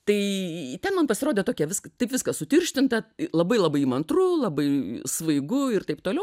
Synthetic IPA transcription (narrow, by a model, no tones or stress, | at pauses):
t̪ɐɪtʲɛnmɐnpɐsʲɪɾoːdʲeːt̪oːkʲɛʋʲɪskɐt̪ɐɪpʋʲɪskɐssʊt̪ʲɪrʲʃʲt̪ʲɪnt̪ɐlˠɐbɐɪlˠɐbɐɪimɐnt̪rulˠɐbɐɪsʋɐɪɡʊɪrt̪ɐɪp̚t̪oːlʲɛʊ